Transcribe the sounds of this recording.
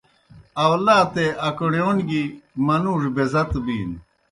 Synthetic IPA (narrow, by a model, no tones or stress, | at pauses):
ɐwlaːt̪eʔɐkɳjoːnɡimɐnuːʐbezɐt̪bḭːn